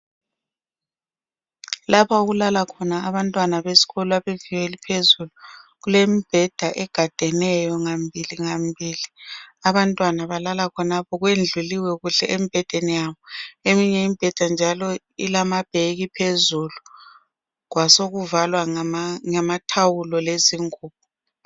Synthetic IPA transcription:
lapʰauɣulalakʰɔnaːβantʼwanaβesi̥ɣɔlɔaβev̥iwelipʰezuluɣulemib̥ʱɛd̥ʱaʔɛɡ̥ʱad̥ʱɛnɛjɔŋambʱiliŋambʱiːliaβantʼwanaβalalakʰɔnapʰɔɣwend͡ɮʱuliwɛɣuɬɛʔemib̥ʱɛd̥ʱenijaβɔemiɲɛimib̥ʱɛd̥ʱand͡ʒʱalɔ | ilamab̥ʱeɣipʰezulu | ɣwasoɣuvalwaŋɛmatʰawulɔleziŋuːβ̚ɔ

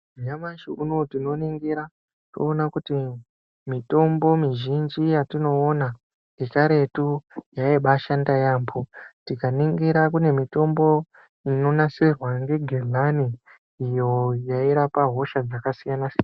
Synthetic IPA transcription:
ɲamaʃiʔuno̞tino̞niŋɡiɾa | to̞̰ːnakuti | mito̞mbo̞miʒind͡ʒijatino̞ːna | ekaɾe̞tujaeɓaʃandajaːmbʰotikaniŋɡiɾak̬une̞mito̞mbo̞ | ino̞nasirwaŋɡe̞ɡʱelaniː | jo̞jaiɾapaɦo̞ʃad͡zakasijanasin

